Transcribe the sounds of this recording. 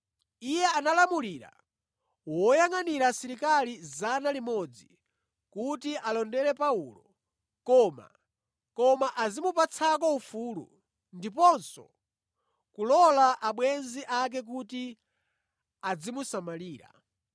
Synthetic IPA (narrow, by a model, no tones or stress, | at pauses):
ijɛanalamuliːɾa̰ | wɔjaŋaniɾasiɾikalizanalimɔd͡zi | kutiʔalɔndɛɾɛpauːlɔ̰ | kɔma̰ | kɔmaʔazimupat͡sʰakɔufuːlṵ | ndipɔnsɔ̰ | kulɔlaʔaɓwɛnziʔak̬ɛk̬uti | ad͡zimusamaliːɾa̰